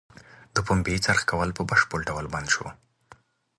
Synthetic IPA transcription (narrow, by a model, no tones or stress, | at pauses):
d̪əpombet͡saɾxkawəlpəbaʃpəɽɖawəlband̪ʃo̰